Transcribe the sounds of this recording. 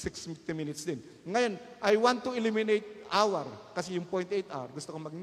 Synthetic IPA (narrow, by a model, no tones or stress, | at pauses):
sɪkst̪ɪminɪt̪sd̪ɪn | ŋajonʔajwant̪ːuɪlimɪnejt̪̚ʔawɐɾkɐsɛjʊŋpojnt̪ʔejt̪a̰wɐɾɡʊst̪okomɐɡ̚